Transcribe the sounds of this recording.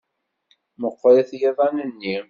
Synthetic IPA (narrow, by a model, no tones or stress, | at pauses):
məqʷːɾˤɪθjiðˤɑnənːi